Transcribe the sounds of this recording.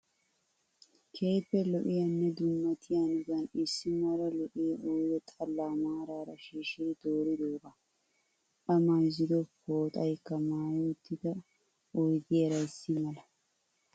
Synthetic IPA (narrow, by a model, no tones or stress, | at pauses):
kʰe̞ːpːɛlɔʔɪjɐnːɛd̪ʊmːɐt̪ʰɪjanɪzɐnɪsːɪmaɾɐlɔʔɪʔɔjɔt̪ʼɐlːaːmaːɾaːɾɐʃiːʃɪd̪ɪd̪oːɾɪd̪oːbɐ | ᶑɐmajzɪd̪ɔfoːt̪ʼɐjkːɐmaːjɛʊt̪ːɪd̪ɐ | ɔjɡeːɾɐjsːɪmɐlɐ